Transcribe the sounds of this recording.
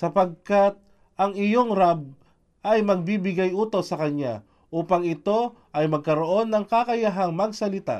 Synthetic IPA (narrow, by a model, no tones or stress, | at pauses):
sɐpɐɡ̚kat̪̚ | ʔɐŋɪjo̞ŋɾab̚ | ʔɐjmɐɡ̚biːbɪɡajʔuːt̪o̞sɐkɐnja̰ | ʔuːpɐŋɪt̪o̞ | ʔɐjmɐɡ̚kɐɾo̞ʔo̞nːɐŋkakɐjɐɦaŋmɐɡ̚sɐlɪt̪a̰